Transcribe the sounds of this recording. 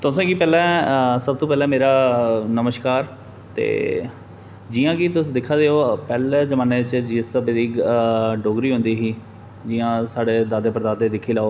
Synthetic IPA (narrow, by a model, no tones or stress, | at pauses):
t̪ʊsãːkiːpɛːlɛ̃ːsəb̚t̪õːpɛːlɛ̃ːmeːɾaːnəməʃkaːɾ | t̪ḛː | d͡ʒiːãːkiːt̪̬ʊsːd̪ɪkʰːaːd̪eːoːpɛːlɛːzəmãːneːɪt͡ʃd͡ʒiːsbɪd̪iːɡɖoːɡɾiːɦʊ̃nd̪iːɦiː | d͡ʒiːãːsaːɖeːd̪aːd̪eːpəɾd̪aːd̪eːd̪ɪkʰːiːlaːoː